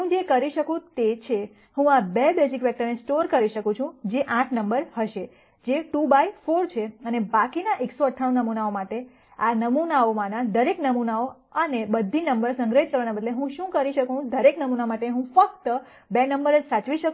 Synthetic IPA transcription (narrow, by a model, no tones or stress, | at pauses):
ɦũd͡ʒekəɾiʃəkũt̪et͡ʃʰe | hũabebesikʋɛk̚ʈəɾnesʈoɾkəɾiʃəkũt͡ʃʰũd͡ʒeʔãʈʰnəmbəɾhəʃe | d͡ʒeʈubaifoɾt͡ʃʰeənebakinaʔeksoəʈʰːaɽ̃ũnəmunaomaʈe | anəmunaomãnad̪əɾeknəmunao | ənebəd̪ʱːinəmbəɾsə̃ŋɡɾəɦit̪̚kəɾʋanabəd̪leɦũʃũkəɾiʃəkũd̪əɾeknəmunaomaʈeɦũfək̚t̪ə | benəmbəɾəd͡ʒsat͡ʃʋiʃəkũ